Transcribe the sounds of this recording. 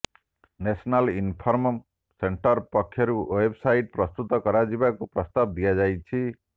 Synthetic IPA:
nesɔnalinpʰɔɾmɔ | seɳʈɔɾpɔkʰjɔɾuebsajʈ̚pɾɔst̪ut̪ɔkɔɾad͡ʒibakupɾɔst̪ab̚d̪ijad͡ʒajt͡ʃʰi

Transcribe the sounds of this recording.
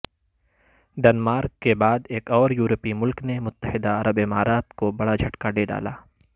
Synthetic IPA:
ɖɛnmaːɾkːebaːd̪eːkɔːɾjuːɾəpimʊlknemʊt̪ːəhɪd̪aɐɾəbɪmaːɾaːt̪kobɐɽad͡ʒʱɐʈkaɖeːɖa̰ːla̰ː

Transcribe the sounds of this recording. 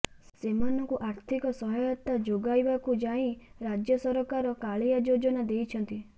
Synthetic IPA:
semanɔkuʔaɾt̪ʰikɔsɔɦɔjɔt̪ad͡ʒoɡajbakud͡ʒaĩɾad͡ʒjɔsɔɾɔkaɾɔkaɭiad͡ʒod͡ʒɔnad̪ejt͡ʃʰɔnt̪i

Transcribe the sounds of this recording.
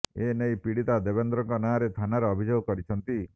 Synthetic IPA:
enejpiɽit̪ad̪ebend̪ɾɔŋkɔnaːɾet̪ʰanaɾeɔbʱid͡ʒoɡɔkɔɾit͡ʃʰɔnt̪i

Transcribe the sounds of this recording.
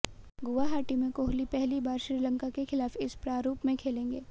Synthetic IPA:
ɡʊʋaɦaːʈimẽkoːɦlipɛɦlibaːɾʃɾiːlə̃ŋkakexɪlaːfɪspɾaːɾuːpmẽkʰeːlẽːŋɡeː

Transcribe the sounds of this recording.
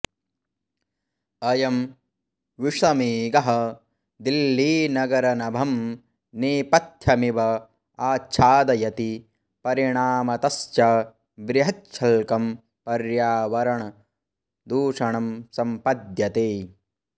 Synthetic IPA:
ɐjɐm | ʋiʂɐmeːɡɐɦɐ̆ | d̪ilːiːnɐɡɐɾɐnɐbʱɐm | neːpɐt̪ʰjɐmiʋɐ | aːtːt͡ʃʰaːd̪ɐjɐt̪i | pɐɾiɳaːmɐt̪ɐst͡ʃɐ | bɾiɦɐt͡ʃʰɐlkɐm | pɐɾjaːʋɐɾɐɳɐ | d̪uːʂɐɳɐmsɐmpɐd̪jɐt̪eː

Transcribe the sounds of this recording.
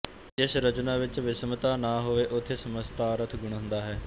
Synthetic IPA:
d͡ʒɪsɾət͡ʃnãːʋɪt͡ʃʋɪsmət̪aːnaːɦoːʋeːʔʊt̪ʰːeːsəməst̪aːɾət̪ʰɡʊɽ̃ə̃nd̪aːɦɛː

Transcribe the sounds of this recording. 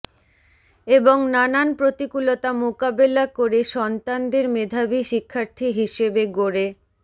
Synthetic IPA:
eboŋnananpɾot̪ikulot̪amokabelakoɾeʃɔnt̪and̪eɾmed̪ʱabiʃikʰːaɾt̪ʰiɦiʃebeɡoɾe

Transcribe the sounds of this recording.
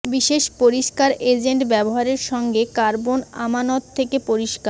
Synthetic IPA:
biʃeʃpoɾiʃkaɾed͡ʑeɳʈbɛboɦaɾeɾʃɔŋɡekaɾbona̰manot̪ʰːekepoɾiʃkaɾ

